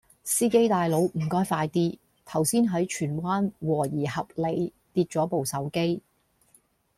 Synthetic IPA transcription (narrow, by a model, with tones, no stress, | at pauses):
siː˥ke˥jt̪aː˨jlo˨˥wm̩˨˩kɔː˥jfaː˧jt̪iː˥ | t̪ʰɐ˨˩wsiː˥nɦɐ˨˥jt͡ʃʰyː˨˩nwaː˥nwɔː˨˩jiː˨˩hɐ˨p̚le˨˧j | t̪iː˧t̚t͡ʃɔː˨˥po˨wsɐ˨˥wke˥j